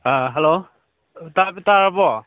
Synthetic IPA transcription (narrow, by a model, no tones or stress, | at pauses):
aɦɛlo | tapɛtaɹabɔ